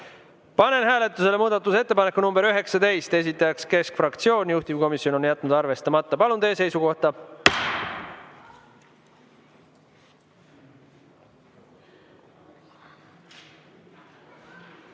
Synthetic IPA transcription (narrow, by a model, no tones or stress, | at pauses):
pɑne̞nɦæːle̞t̪ːˑuse̞le̞muːd̪̥ɑt̪ːˑuse̞t̪ːe̞pɑnekːunumb̥e̞ɾyɦe̞ksɑt̪e̞jst̪e̞s̬ʲit̪ːˑɑjɑkske̞skfrɑkt̪sio̞ːnʲjuht̪ivko̞misio̞no̞njæt̪ːˑnud̪ɑrve̞st̪ɑmɑt̪ːˑɑpɑlunt̪e̞ːs̬e̞jsuko̞ht̪ɑ